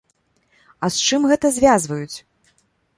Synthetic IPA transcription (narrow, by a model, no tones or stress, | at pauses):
ɐst͡ʂɨmɣɛt̪ɐzʲvʲazvɐjut͡sʲ